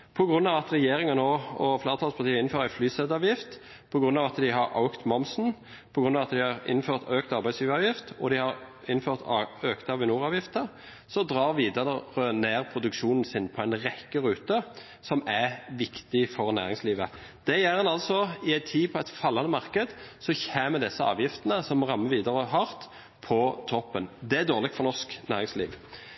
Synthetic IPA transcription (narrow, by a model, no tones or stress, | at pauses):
pʰɔɡɾʉnːɑːʋɑt̪ʁɛjeːʁɪŋɑnoɔfleːʁət̪ʰɑlspʰɑʁt̪ʰiːəɪnføːɾæɪflyːsɛd̪ɑːʋjɪft̪ | pʰɔɡɾʁʉnːɑːʋɑt̪d̪ɪɦɑɾɑ̰ʊkt̪mɔmsn̩ | pʰɔɡɾʉnːɑːʋɑt̪d̪ɪhɑʁɪ̰nføːʁt̪øːkt̪ɑɾʁbæɪsliːʋəɑːʋjɪft̪ɔd̪ɪhɑɾ | ɪnːføːʁt̪ʰøkt̪ɑːʋɪnuːʁɑːʋjɪft̪ə | sɔd̪ʁɑːʁʋiːd̪ɑʁəʁəneːʁpʰʁʊd̪ʉkʃuːnn̩sɪnpʰɔæɪnʁɛkːəʁʉːt̪ə | sɔmæʋɪkt̪ɪfɔʁnæ̰ːʁɪŋsliːʋə | d̪̥ɛjæːʁhɑnɑlsɔɪæɪt̪ʰiːpʰɔɛɪt̪fɑlːɑnəmɑʁkəd̪sɔçæːməd̪ɛsːəɑ̰ːʋjɪft̪ənəsɔmːɔʁɑmːəʋiːd̪əʁəɦɑʁt̪ | pʰɔt̪ʰɔpːənd̪ɛæd̪oːʁlɪk̪̚fɔʁnɔʁsknæːʁɪŋslḭːʋ